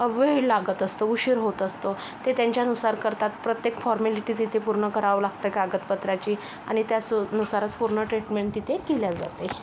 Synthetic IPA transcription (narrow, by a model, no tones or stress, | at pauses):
ʋelaɡət̪əst̪ouɕiɾɦot̪əst̪o | t̪et̪jaɲt͡ɕjanusaɾkəɾt̪at̪pɾət̪jekfɔɾmeliʈiːt̪it̪ʰepuɾɳəkəɾaʋlaɡ̚t̪əkaɡət̪̚pət̪ɾat͡ɕiː | a̰ɽ̃it̪jat͡snusaɾət͡spuɾɳəʈɾiʈmeɳʈ̚t̪it̪ʰekeljad͡za̰t̪e